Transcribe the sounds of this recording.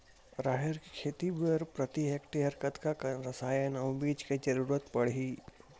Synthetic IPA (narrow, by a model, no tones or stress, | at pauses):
ɾaːɦeɾkikʰeːt̪ibəɾpɾət̪iɦekʈiɦɐɾkət̪kakɾɐsaːjənɐwbiːd͡ʒked͡ʒɐɾuːɾət̪pəɽ̤iː